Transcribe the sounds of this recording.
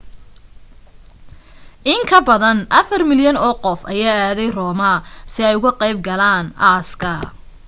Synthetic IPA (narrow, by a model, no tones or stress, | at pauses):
ʔɪŋkʰɐbɐðɐnʔɐfɐrmɪljɐnɔːqɔfɐjaːaːðɛjrɔːmɐsɪɛjʊɣʊqɛjbɡɐlaːnʔaːskʰɐ